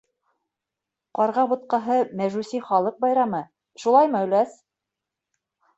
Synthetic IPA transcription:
qɑɾʁɑbŭt̪̚qɑɦɤmæʒʉsiχɑlˠɤq̚bɑjɾɑmɤ | ʃulˠɑjmɤɵ̆læs

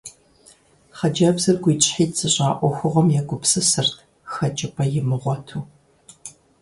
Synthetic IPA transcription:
χɐd͡ʒɐbzɐrɡʷiːt͡ʃʼħiːtt͡sɨɕʼaːʔʷɔxʷʊʁɐmjɛɡʷʊpsɨsɨrtʰ | xɐt͡ʃʼɪpʰʼɐjɪmɨʁʷɔtʰuː

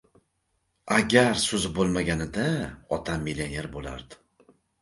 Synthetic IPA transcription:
aɡʲaɾsʊzbolˠmaɡʲanɪd̪aɒt̪ʰamːilʲene̞ɾbola̰ɾd̪ɪ̥

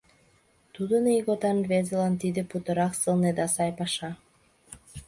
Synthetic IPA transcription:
t̪ud̪ənijɣot̪ɑnvezelɑnt̪id̪ĕput̪ɤ̆ɾɑksɤ̆lˠned̪ɑsɑjpɑʃɑ

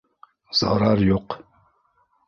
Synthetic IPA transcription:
z̥ɑ̰ɾaɾjoq

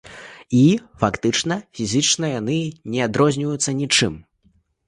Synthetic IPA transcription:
ifakt̪ɨt͡ʂnɐfʲizʲɨt͡ʂnɐjanɨnʲɛad̪ɾɔzʲnʲivɐjut̪sːɐnʲit͡ʂɨm

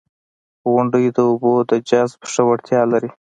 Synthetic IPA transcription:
ɣʊɳɖəjd̪əʊbod̪əd͡ʒɑzbʂawaɽt̪jɑlaɾi

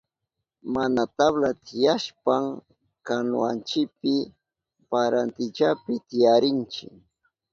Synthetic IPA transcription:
manat̪aβlat̪ʰɪjaʃpaŋ | kanʊ̰ant͡ʃɪkpɪ | paɾant̪ɪt͡ʃapɪt̪ɪjaɾɪnt͡ʃɪ̰

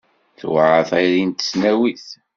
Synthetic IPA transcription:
θwʕəθæjɾint̪ːə̥snæwiθ

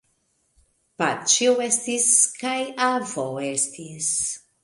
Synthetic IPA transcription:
pa̰t͡ʃiwest̪iskajavoest̪is

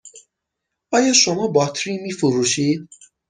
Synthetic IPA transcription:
ɒːjɒʃomɒːbɒt̪ʰɾimifuɾuʃiːd̪

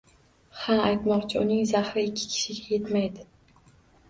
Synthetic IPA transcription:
hanajt̪mɒqt͡ʃʰɪʊnɪŋzahɾɪɪkʲʰːɪ̥kʲʰɪ̥ʃɪɡʲajet̪majd̪ɪ

